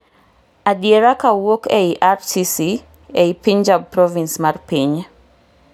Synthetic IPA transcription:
adieɾakawokɛiʔaɾsisi | ɛipiɲd͡ʒab̚pɾɔvinsmarpiɲ

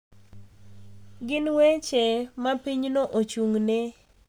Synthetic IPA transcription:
ɡɪnwet͡ʃemapiɲnoʔot͡ʃuŋne

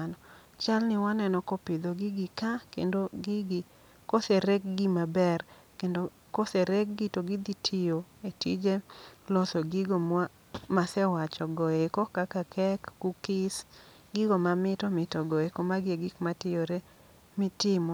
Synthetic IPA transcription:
nɔ | t͡ʃalnɪwanɛnɔkopɪd̪oɡiɡɪkakḛndoɡɪɡ | koseɾek̚ɡimabɛr | kendo | koseɾek̚ɡɪtoɡid̪itʰɪjo | etid͡ʒelɔsɔɡiɡoma | masɛwat͡ʃɔɡɔekɔkakakʰɛkːukɪs | ɡɪɡomamɪtɔmɪtɔɡɔekomaɡeɡikmatɪjoɾe | mɪtɪmɔ

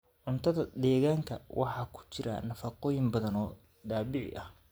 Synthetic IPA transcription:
ʕʊnt̪ʰɐðɐd̪ɛːɣaːŋkʰɐwʔɑ̰ħɑːkʰʊ̥t͡ʃɪɾɐ̰nɐfɑqɔːjɪmbɐðɐnɔː | d̪aːβɪʕɪ̰ʔɐh

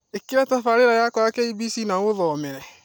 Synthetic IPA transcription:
ekiɾatafaɾɪɾajakɔakeibisinawʊðɔmɛɾɛ

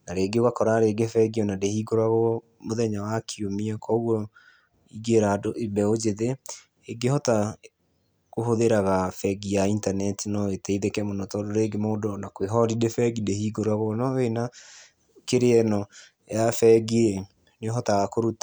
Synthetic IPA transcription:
naɾeːɡewakɔɾaɾeɡefɛɡiɔnadehiɡoɾwaɣɔ | moðɛɲawakʰiomiɔkʰɔoɣwɔ | iɡeɾadoebɛod͡ʒeðeː | ɡehɔta | koɦoðeɾaɣafɛɡiaintanɛtinɔetɛiðekɛmonɔtɔdoɾeɡemoːdɔnakweɦɔɾidefɛɡidehiːɡoɾwaɣɔnɔwena | keɾeɛnɔ | jafɛɡee | neɔɦɔtaɣakoɾuta

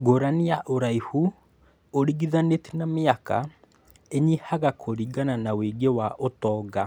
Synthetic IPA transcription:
ɡoɾanijaʔoɾaihu | oɾiɣiðanetinameaka̰ | eɲihaɣakʰoɾiɡananaweɡewaʔotɔːɡa

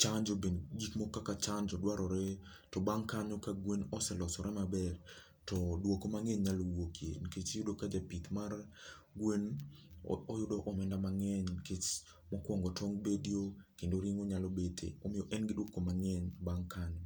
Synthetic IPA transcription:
t͡ʃaɲd͡ʒobend͡ʒikmɔkːakat͡ʃaɲd͡ʒɔdwaɾɔɾɛ | tɔbaŋkaɲɔkaɡwenɔsɛlɔsɔɾɛmabɛr | tɔdwokomaŋeɲɲalowokʰjḛnket͡ʃjʊdokad͡ʒapit̪mar | ɡwen | ɔjʊdɔʔɔmɛndamaŋɛɲket͡ʃ | mɔkwɔŋɡɔtʰɔŋɡbedijokendoɾiŋoɲalɔbetʰḛɔmɪjɔʔɛnɡɪdwokomaŋɛɲbaŋkaɲɔ

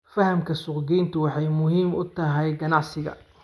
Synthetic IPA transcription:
fɐhɐmkʰɐsʊqɡiːjnt̪ʰʊwɑħɑjmʊɦiːmʊt̪ʰɐɦɛjɡɐnɑʕsɪɣɐ̰

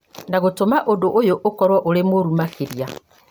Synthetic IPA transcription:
naɣotomaʔodoʔojoʔokɔɾwɔʔoɾemoɾumakeɾia

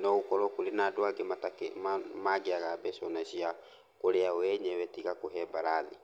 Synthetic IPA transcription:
nɔukɔɾɔkulenadoaɡematakmaɡeaɣabɛsɔnasia | koɾeaɔwɛɲɛwɛtiɣakoɦɛbaɾaði

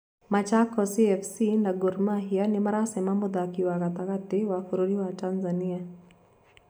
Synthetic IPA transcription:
mat͡ʃakːɔsiɛfʰsinaɡʊɾmaɦijanɪmɐɾasemamʊd̪akiwaɡat̪akat̪ːɪwakuɾoɾiwaʈanzanija

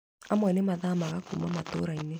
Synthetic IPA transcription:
amɔinemaðamaɣakṵmamato̰ɾaine

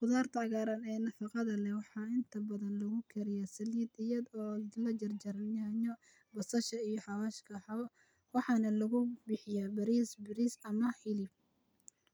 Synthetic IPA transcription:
qʊðaːrt̪ʰɐɑɣaːɾɐnɛːnɐfɑqɑðɐlɛwɑħɑɪnt̪ʰɐbɐðɐnlɐɣʊkʰɛɾɪjɐsɐljɪd̪ɪjɐd̪ɔːlɐd͡ʒɐrd͡ʒɐɾɐnɐɲɔ | bɐsɐʃɐijɔħɑwaːʃkʰɐħɑ | wɑħɑnɐlɐɣʊbɪħɪjabɐɾisbɪɾisɐmɐħɪlɪb̚

